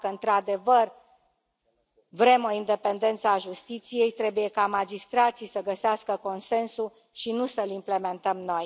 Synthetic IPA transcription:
kəɨnt̪ɾad̪e̞vər | vɾe̞mo̞ind̪e̞pe̞nd̪e̞nt̪səaʒust̪it̪sije̞jt̪ɾe̞buje̞kamad͡ʒist̪ɾat̪sisəɡəseaskəko̞nse̞nsu | ʃinusəlimple̞me̞nt̪əmno̞j

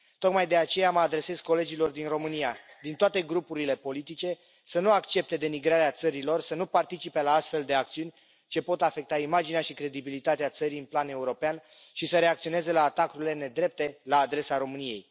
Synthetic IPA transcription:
t̪o̞kmajd̪e̞at͡ʃe̞jaməad̪ɾe̞se̞skːo̞le̞d͡ʒilo̞rd̪inro̞mɨnijad̪int̪oat̪e̞ɡɾupuɾile̞po̞lit̪it͡ʃe̞ | sənuakt͡ʃe̞p̚t̪e̞d̪e̞miɡɾaɾeat̪səɾilo̞rsənupart̪it͡ʃipe̞laast̪fe̞ld̪e̞ak̚t̪siunʲ | t͡ʃe̞po̞t̪afe̞k̚t̪aimad͡ʒineaʃikɾe̞d̪ibilit̪at̪eat̪səɾiɨnplane̞uɾo̞pean | ʃisəɾe̞akt̪sio̞ne̞ze̞laːt̪akuɾile̞ne̞d̪ɾe̞p̚t̪e̞laːd̪ɾe̞saɾo̞mɨnije̞j

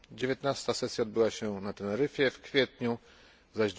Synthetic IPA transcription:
d͡ʑevʲjɛt̪nast̪asɛsʲjaɔd̪̚bɘwaɕɛnat̪ɛlɛɾɘfʲjɛfkfʲjɛt̪ɲu | zaʑd̪

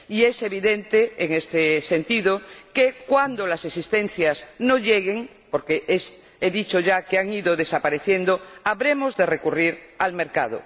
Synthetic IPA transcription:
ie̞se̞β̞iðe̞nt̪eːŋest̪ese̞nt̪iðokekwand̪olasesist̪e̞nθjazno̞ʎeɣ̞eŋ | po̞ɾkees | eðit͡ʃo̞ʝakeaŋiðoðe̞sapaɾeθje̞nd̪oaβɾe̞mo̞zðe̞re̞kuriɾalme̞ɾkað̞o̰

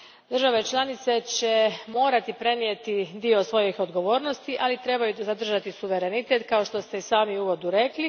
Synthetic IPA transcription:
d̪r̩ʒaʋe̞t͡ʃlˠanit̪se̞t͡ɕe̞mo̞ːɾat̪ipɾe̞nijet̪id̪io̞sʋo̞jixo̞d̪ɡo̞ʋo̞ːɾno̞st̪iʔalit̪ɾe̞bajuzad̪r̩ʒat̪isuʋe̞ɾe̞nit̪e̞t̪kao̞ʃt̪o̞st̪e̞isaːmiuʋo̞d̪uɾe̞kli

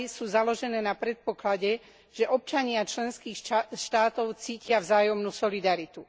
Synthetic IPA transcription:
suːzalɔʒɛnɛːnapɾɛt̪̚pɔklaɟɛ | ʒ̥ɛʔɔp̚t͡ʃaɲɪat͡ʃlɛnskiːxʃt̪aːt̪ɔʊt͡siːcɪavzaːjɔmnuːsɔlid̪aɾit̪u

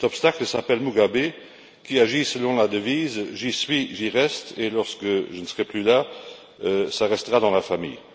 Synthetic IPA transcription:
t̪ɔpst̪akləsapɛlmuɡabe | kiaʒisəlɔ̃lad̪əviːzʒisɥiʒiʁɛst̪elɔʁskəʒənəsəʁɛplyla | øsaʁɛst̪əʁad̪ɑ̃lafamḭːj

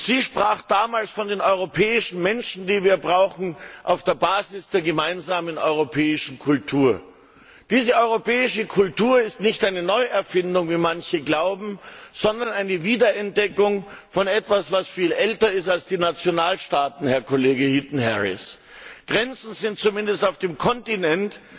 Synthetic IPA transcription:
z̥iːʃpʁ̥aːχd̥aːmaːlsfɔndeːnɔʏʁopʰɛːɪʃn̩mɛnʃn̩diːviːɐbʁaʊxn̩ʔaʊfd̥eːɐbaːzɪsd̥eːɐɡəmaɪnzaːmənɔ̰ʏʁ̞opʰɛːɪʃn̩kʰʊltʰuːɐ | d̥iːzəʔɔʏʁopɛːɪʃəkʰʊltuːɐɪstnɪçtʔaɪnənɔʏɛɐfɪndʊŋviːmançəɡlaʊbm̩z̥ɔndɐnaɪnəviːdɐɛnt̚d̥ɛkʊŋfɔnɛtv̥asv̥asfiːlʔɛltɐɪstalsd̥iːnat͡sjonaːlʃtaːtn̩hɛɐkʰoleːɡəhitn̩hɛʁɪ̰s | ɡ̥ʁɛnt͡sn̩zɪnt̚t͡sumɪndəstaʊfd̥eːmkʰɔntinɛnt

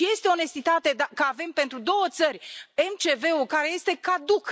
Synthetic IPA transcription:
je̞st̪eo̞ne̞st̪it̪at̪e̞d̪akəave̞mpe̞nt̪ɾud̪o̞wət̪sərʲe̞mt͡ʃe̞ve̞ukaɾeje̞st̪e̞kad̪uk

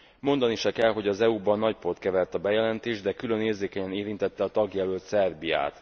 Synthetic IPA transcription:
mo̞nd̪ɒniʃɛkɛlɦo̞ɟɒzɛubɒnːɒcpo̞t̪kɛvɛlt̪ɒbɛjɛlɛnt̪eːʒd̪ɛkylø̞neːrzeːkɛɲɛneːɾint̪ɛt̪ːɛɒt̪ɒɡjɛlølt̪sɛrbija̰ːt̪

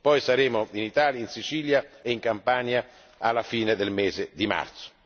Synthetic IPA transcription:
pɔjsaɾeːmʊinit̪aːljainsit͡ʃiːljaeiŋkampaːnja | alːafiːned̪elmeːzed̪ima̰rt̪sʊ̥

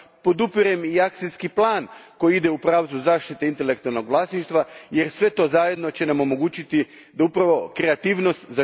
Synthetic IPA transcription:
po̞d̪upiɾemiak̚t̪siskiplˠaːnko̞jiid̪e̞upɾaːʋt̪zuzaːʃt̪it̪e̞int̪elekt̪ualno̞ɡʋlˠaːsniʃt̪ʋajeɾsʋe̞t̪o̞zaje̞d̪no̞t͡ɕenamo̞mo̞ɡuːt͡ɕit̪id̪aupɾaʋo̞kɾe̞at̪iːʋno̞st̪za

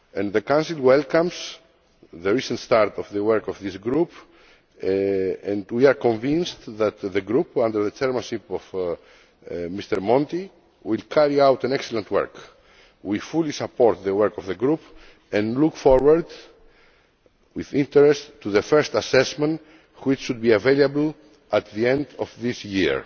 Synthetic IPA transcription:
ɛ̃nðəkãw̃nsilwɛlkãmz̥ | ðəɹisə̃ntst̪aɾt̪ɔvðəwɛɹkɔvðisɡɾup | ɛ̃ndwiaɾkɔ̃ɱvĩnst̪ðæt̪ðəɡɾupãnd̪əɾðət͡ʃɛɹmãnʃipɔv | mist̪əɾmɔ̃nt̪i | wilkʰaɹiawt̪ãnɛksɛlə̃nt̪wɛ̰ɹk | wifulisapɔɾt̪ðəwɛɹkɔvðəɡɾup | ɛ̃nlukfɔɹwaɾd̪ | wiðĩnt̪ɛɾɛsttuðəfɛɹst̪asɛsmɛ̃nt | wit͡ʃʃud̪̚biavelabl̩ | at̪ðiɛ̃nd̪ɔvðisjḭɹ

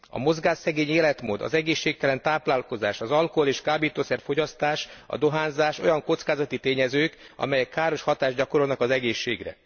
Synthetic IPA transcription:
ɒ̰mo̞zɡaːʃːɛɡeːɲeːlɛt̪mo̰ːd̪ɒ̰zɛɡeːʃːeːk̚t̪ɛlɛnt̪aːplaːlko̞zaːʃɒzɒlkoɦoleːʃkaːbiːt̪oːsɛrfo̞ɟɒst̪aːʃɒ̰d̪o̞ɦaːnzaːʃo̞̰jɒŋko̞t̪skaːzɒt̪it̪eːɲɛzøːk | ɒ̰mɛjɛkːaːɾo̞ʃhɒt̪aːʒɟɒko̞ɾo̞lnɒkɒzɛɡeːʃːḛːɡrɛ̰

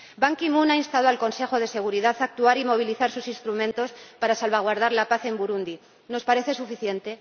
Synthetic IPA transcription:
baŋkimunainst̪aðoalko̞nse̞xo̞ðe̞se̞ɣ̞uɾiðaθak̚t̪uaɾimo̞β̞iliθaɾsusinst̪ɾumẽnt̪o̞spaɾasalβaɣ̞waɾð̞aɾlapaθe̞mbuɾund̪i | no̞spaɾe̞θe̞sufiθje̞nt̪e̞

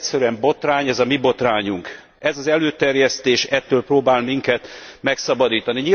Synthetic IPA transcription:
sɛɾyɛmbo̞t̪raːɲɛzɒmibo̞t̪raːɲuŋk | ɛzɒzɛløːt̪ɛrjɛst̪eːʃɛt̪ːøːlproːbaːlmiŋkɛt̪mɛksɒbɒd̪iːt̪ɒniɲi

